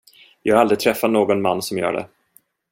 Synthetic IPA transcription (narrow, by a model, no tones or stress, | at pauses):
jɑːɡɡald̪ɾɪt̪ʰɾɛfːat̪noːɡɔnmanːsɔmjœ̰ːɖɛ̰